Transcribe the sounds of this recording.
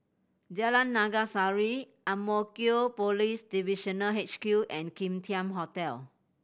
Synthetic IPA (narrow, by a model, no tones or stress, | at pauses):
d͡ʒəlãnːaɡasaɹi | ãmɔkiopolisdiviʃɔ̃nəɦɛt͡ʃkjuʔɛ̃nkĩmtʰiãmɦɔtɛl